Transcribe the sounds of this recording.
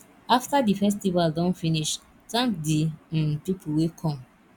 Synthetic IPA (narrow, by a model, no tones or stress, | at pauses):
aftadifɛs̬tivaldɔ̃nfiniʃ | tãŋkdĩntupʰuwekʰɔ̃m